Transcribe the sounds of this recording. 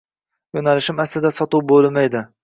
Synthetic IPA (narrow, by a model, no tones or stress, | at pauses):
jonalɪʃɪmaslɪd̪asɒt̪ʊwbolˠmajd̪ɪ